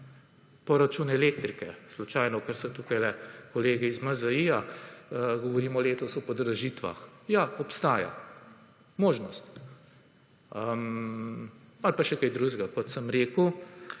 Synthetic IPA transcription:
pɔɾat͡ʃuːnɛleːk̚t̪ɾikɛslut͡ʃajnɔkaɾsɛt̪ukajlɛkɔleːɡiizmazaija | ɡɔʋɔɾiːmɔleːt̪ɔsɔpɔd̪ɾaʒit̪ʋa̰xjaɔpst̪aːja̰ | moːʒnɔst̪ | əm | alpaʃɛkajd̪ɾuʒɡakɔt̪səmɾeːku

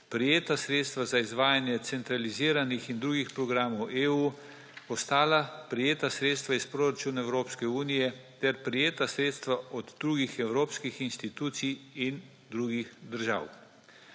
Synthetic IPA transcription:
pɾijeːt̪asɾeːt̪st̪ʋazaizʋaːjanjɛt̪sɛnt̪ɾaliziːɾanixind̪ɾuːɡixpɾɔɡɾaːmɔwʔeːuː | ɔst̪aːlapɾɛjeːt̪asɾeːt̪st̪ʋaispɾoːɾat͡ʃuːnaɛwɾoːpskɛuːnijɛt̪ɛɾpɾijeːt̪asɾeːt̪st̪ʋaʔɔd̪d̪ɾuːɡixɛwɾoːpskixinst̪it̪uːt̪siin | d̪ɾuːɡixd̪əɾʒa̰ːw

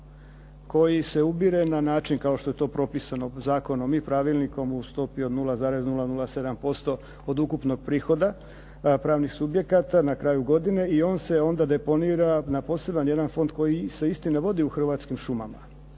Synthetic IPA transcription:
ko̞jise̞ubiɾe̞nanaːt͡ʃinkao̞ʃt̪o̞je̞t̪o̞ːpɾo̞pisano̞zaːko̞no̞mipɾaʋilˠniko̞must̪o̞piod̪nulazaːɾeznulˠanulase̞d̪ampo̞st̪o̞ | od̪ukupno̞ɡ̚pɾiːxo̞d̪a | pɾaːʋnixsubje̞kat̪anakɾaːjuɡo̞d̪ine̞io̞ːnse̞o̞nd̪ad̪e̞po̞niːɾanapo̞ːse̞banje̞d̪anfo̞nd̪̚ko̞jise̞ist̪ineʋo̞d̪iuxr̩ʋaːt̪skimʃuma̰ma̰

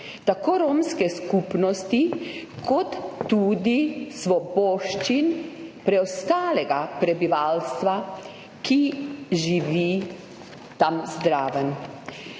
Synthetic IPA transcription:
t̪akoːɾomskɛskupnɔst̪ikʰɔt̪ːud̪isʋɔbɔːʃt͡ʃinpɾɛɔst̪aːlɛɡapɾɛbiʋaːlst̪ʋa | kiʒiʋi | t̪amzd̪ɾaːʋən

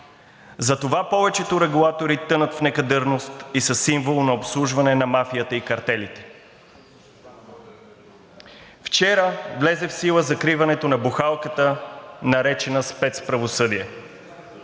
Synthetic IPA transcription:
zɐt̪ovapɔvɛt͡ʃɛt̪oɾɛɡulˠat̪oɾit̪ɤnət̪fnɛkɐd̪əɾnost̪isɐsːiɱvolˠnɐopslˠuʒvɐnɛnɐmafiət̪əikɐɾt̪ɛlit̪ɛ̥ | ft͡ʃɛɾəvlɛzɛfsilˠəzɐkɾivɐnɛt̪onɐbuxalˠkət̪ənɐɾɛt͡ʃɛnəspɛt̪spɾɐvosɤd̪iɛ

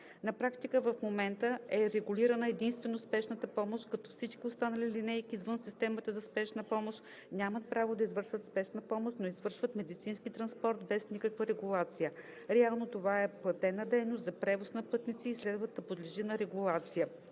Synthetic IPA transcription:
nɐpɾakt̪ikəvɐfmomɛnt̪əɛɾɛɡuliɾənəɛd̪inst̪vɛnospɛʃnət̪əpɔmoʃt̪kɐt̪ɔfsit͡ʃkʲiʊst̪anɐlilinɛjkizvɤnsist̪ɛmət̪əzɐspɛʃnəpɔmoʃt̪ | nʲamət̪̚pɾavod̪ɐizvɤɾʃvət̪spɛʃnəpɔmoʃnoizvɤɾʃvət̪mɛd̪it̪sinskit̪ɾɐnspɔɾt̪bɛsnikəkvəɾɛɡulˠat̪sijə | ɾɛalˠnot̪ovaɛplˠɐt̪ɛnɐd̪ɛjnoszɐpɾɛvosnɐpɤt̪nit̪siːslɛd̪vət̪ːɐpod̪liʒinɐɾɛɡulˠat̪sijə

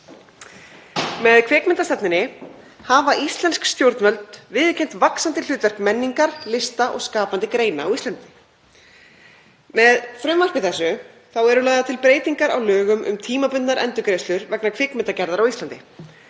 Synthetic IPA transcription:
mɛðkʰvɪːkmɛnt̪ast̪ɛp̪nɪnɪ | havaʔist̪lɛnskst̪jowɾt̪nvœlt̪vɪːðcʰejnt̪vaksant̪ɪ̥ʏːt̪vɛr̥kmɛnːiŋkaɾlɪst̪aʔɔ̰ɣskaːpant̪ɪkɾeːjna̰awist̪ant̪ɪ̥ | mɛðfɾʏmvar̥kvɪθɛsːʏ | θawɛɾʏlaːɣðat̪ʰɪlpɾeːjt̪iŋkaɾa̰wlœːɣʏmʏ̰mt̪ʰiːmapʏnaɾʔɛ̰nt̪ʏkɾeːjst̪lʏɾvɛknakʰvɪːkmɛnt̪acɛɾðaɾawist̪ant̪ɪ

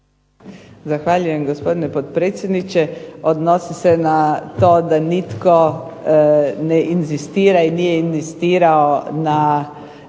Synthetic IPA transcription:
zaxʋaːʎujɛmɡospod̪inɛpot̪pɾeːt̪sjed̪nit͡ʃɛod̪nosisɛnat̪oːd̪anit̪ko | nɛʔinzist̪iːɾainiːjɛinzist̪iːɾaona

